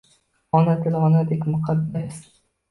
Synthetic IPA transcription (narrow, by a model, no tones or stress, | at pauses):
ɒnat̪ʰɪlʁɒnad̪ekʲmʊqʰad̪ːas